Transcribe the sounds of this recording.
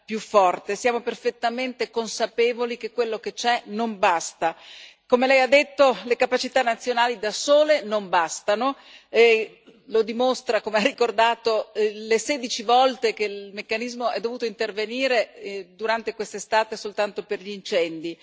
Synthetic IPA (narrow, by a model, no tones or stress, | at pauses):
pjufːɔrt̪esjaːmoperfet̪ːament̪ekonsapeːvolik̟ekːwelːoket͡ʃɛnombast̪akomelɛjad̪ːet̪ːolekapat͡ʃit̪anːat̪sːjonaːlid̪asoːlenombast̪ano | e | lod̪imost̪ɾakomearːikord̪aːt̪oleseːd̪it͡ʃivɔlt̪ekelmekːanizmoɛd̪ːovuːt̪oint̪erveniːɾed̪uɾant̪ekwest̪est̪aːt̪esolt̪ant̪operʎiːnt͡ʃɛnd̪i